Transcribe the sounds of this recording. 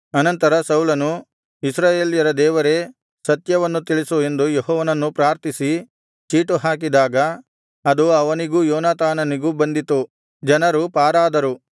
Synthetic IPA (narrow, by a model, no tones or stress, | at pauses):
ɐnɐnt̪ɐɾɐsɐwlɐnu | isɾaːjeːljɐɾɐd̪ɛːʋɐɾe̞ | sɐt̪jɐʋɐnːut̪iɭisue̞nd̪ujeɦɔːʋɐnɐnːupɾaːɾt̪isi | t͡ʃiːʈuɦaːk̬id̪aːɡɐː | d̪uɐʋɐniɡuːjɔːnaːt̪aːnɐniɡubɐnd̪it̪u | d͡ʒɐnɐɾupaːɾaːd̪ɐɾu